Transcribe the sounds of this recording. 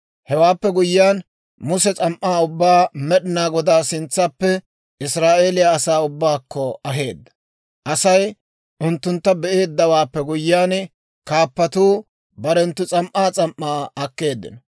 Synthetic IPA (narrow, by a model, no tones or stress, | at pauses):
hɛwaːpːɛɡʊjːaːn | mʊsɛt͡sʼɐmʔːaːʊbːaːmɛɗɪnaːɡɔd̪aːsɪnt͡sːapːɛ | ɪsɾaːʔe̞ːlɪjaːsaːʊbːaːkːɔɐɦe̞ːd̪ːɐ̥ | ʔɐsɐj | ʔʊnt̪ːʊnt̪ːɐbɛʔe̞ːd̪ːɐwaːpːɛɡʊjːaːn | kaːpːɐt̪uː | bɐɾɛnt̪ːʊt͡sʼɐmʔaːt͡sʼɐmʔːaːɐkːe̞ːd̪ːɪ̰nɐ